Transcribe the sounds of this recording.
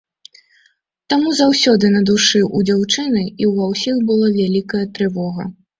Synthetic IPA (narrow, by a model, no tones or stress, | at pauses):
t̪amuzawsʲɔd̪ɨnɐd̪uʂɨʔud͡zʲawt͡ʂɨnɨiwvawsʲixbɨlˠavʲalʲikɐjɐt̪ɾɨvɔɣɐ̰